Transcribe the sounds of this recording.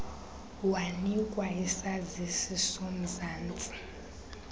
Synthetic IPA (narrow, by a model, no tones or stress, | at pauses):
wanikʼwaisazisisom̩zaːnt͡sʼi̥